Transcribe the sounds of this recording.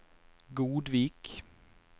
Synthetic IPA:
ɡuːd̪ʋiːk

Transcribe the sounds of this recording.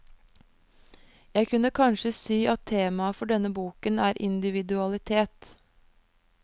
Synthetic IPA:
jæɪkʰʉnəkʰɑnʃəsiːʔɑt̪ʰeːmɑfɔɖɛnːəbuːkənæːɾʔɪ̰nd̪ɪʋɪd̪ʉɑlɪt̪ʰeːt̪

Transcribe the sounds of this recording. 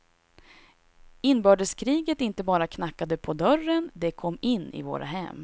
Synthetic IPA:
ɪnbœːɖəskʰɾiːɡət̪ɪnt̪əbɑːɾakʰnakːad̪əpʰɔd̪œrənd̪ɛkʰɔmːɪnːɪ̰vo̰ːɾa̰ɦɛ̰m

